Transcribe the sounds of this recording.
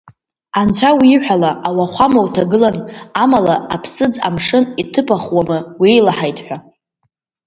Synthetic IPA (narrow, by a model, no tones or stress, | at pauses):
ant͡ɕʷʰawiːħʷᶣalaʔawaχʷamawtʰaɡɨlanamalaapʰsɨd͡za̰mʂɨnitʰɨpʰaχwamɨwejlaħajtʰʼħʷᶣa